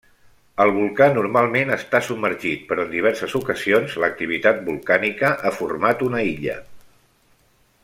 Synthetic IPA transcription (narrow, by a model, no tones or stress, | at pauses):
əlˠβulˠkanuɾmalˠmenəst̪asub̚mːəɾʒit̪̚pəɾɔənd̪iβɛɾsəzukəzionzlək̚t̪iβ̞it̪at̪̚bulˠkanikəʔafuɾmat̪unəiʎə̰